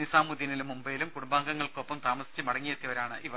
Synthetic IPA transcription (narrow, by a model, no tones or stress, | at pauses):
nisaːmud̪inilumːumbɐjlumkuɽumbaːŋɡɐŋːɐɭko̞pːɐmt̪aːmɐsi̥t͡ɕːɨmɐɽɐŋːijet̪jɐʋɐɾaːɳɨʔiʋɐ